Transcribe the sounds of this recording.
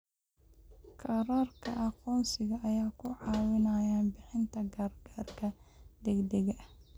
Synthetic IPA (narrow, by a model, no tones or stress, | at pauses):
kʰɑɾaːrkʰɐʔɑqɔːnsɪɣɐʔɐjaːkʰʊʕɑːwɪnɐjaːnbɪħɪnt̪ʰɐɡaːrɡ̥aːrkʰɐd̪ɛɡd̪ɛɣɐ